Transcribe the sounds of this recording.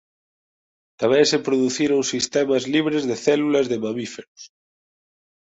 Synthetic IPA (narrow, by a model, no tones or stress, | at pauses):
t̪aβɛsepɾoðuθiɾoŋsist̪ɛmɐzliβ̞ɾezðeθɛlulɐzðemamifeɾos